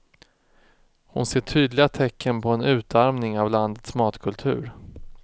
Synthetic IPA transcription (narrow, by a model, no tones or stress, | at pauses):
hʊ̰nseːʈʰyːd̪lɪɡat̪ʰɛkʰːənpʰɔɛnʉ̟ːt̪ʰaɾmnɪŋavland̪ət̪smɑːt̪kʰɵlt̪ʰʉ̟ːɾ